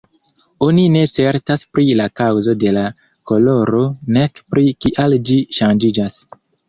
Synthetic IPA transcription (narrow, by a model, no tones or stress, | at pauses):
o̞nine̞t͡se̞ɾtaspɾilakawzo̞de̞la | ko̞lo̞ɾo̞ne̞kpɾikiʔald͡ʒiʃand͡ʒid͡ʒas